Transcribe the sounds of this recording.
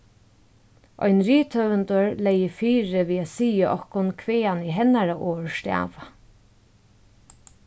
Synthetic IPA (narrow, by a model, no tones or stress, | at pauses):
ʔɔ̰jnɾiːt̪ʰœvənt̪ɔɹlɛjɪfiːɾɪʋiːasiːəʔɔ̰hkʊnkʰveːaniɦɛnːaɾaʔɔːɹst̪a̰ːʋa